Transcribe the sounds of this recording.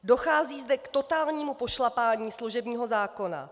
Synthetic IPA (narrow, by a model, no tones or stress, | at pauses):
do̞xaːziːzdɛkt̪o̞t̪aːlɲiːmupo̞ʃlapaːɲiːsluʒɛbɲiːɦo̞zaːko̞na̰